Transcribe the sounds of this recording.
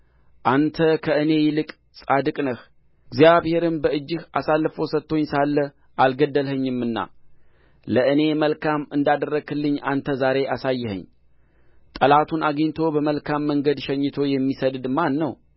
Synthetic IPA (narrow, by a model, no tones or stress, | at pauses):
ʔant̪ʰəkʰəɨne̞jɪlɨkʼ | sʼad̪ɨkʼnəh | ɨɡzjaβhe̞ɾɨmbəɨd͡ʒːɨhasalːfowsət̪ʰːo̞ɲːsalːə | ʔalɡəd̪ːəlhəɲːɨmːɨnːa̰ | ləɨne̞məlkʰamɨnd̪ad̪ərːəɡɨlːɨɲːant̪ʰəzaɾe̞ʔasajːɛhə̰ɲ | t̪ʼəlat̪ʰunaɡɨɲt̪ʰo̞bəməlkʰamːəŋɡəd̪ʃɛɲːɨt̪ʰo̞jɛmːisəd̪d̪ɨmanːəw